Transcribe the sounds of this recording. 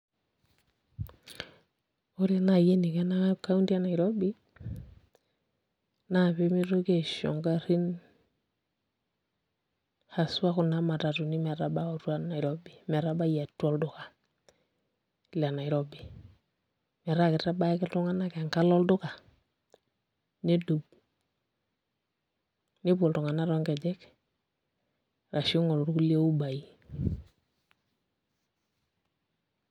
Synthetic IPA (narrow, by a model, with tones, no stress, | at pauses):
o˦ɾe˦na˨je˦ni˨kɛ˦na˦ka˦u˦ndi˦a˦na˨i˨ɾɔ˦bi˦ | na˦˨pe˦mi˦ɾo˦ke˦ʃɔ̰˨ŋɡa˦ɾi˦n | xa˨su˦a˦kʊ˨na˦ma˨ta˨tu˨ni˦mɛ˨ɾa˨ba˦o˨twa˦na˨ɪ˨ɾɔ˦bi˨mɛ˨ɾa˦ba˦˨ja˨tːɔ˦ldʊ˦ka˨ | la˨na˨ɪ˨ɾɔ˦bi˨ | mɛ˨ɾa˦kɪ˨tɾa˦ba˦kɪ˦ltu˦ŋa˦na˦kɛ˨ŋka˦lɔ˦ldʊ˦ka˨ | ne˦du˨b | ni˦pɔ˨ltu˨ŋa˨na˦ɾɔ˦ŋkɛ˨d͡ʒɛ˦k | ɾa˨ʃi˦ŋɔ˨lu˨ɾu˦ku˦li˦e˦u˦ba˨i˦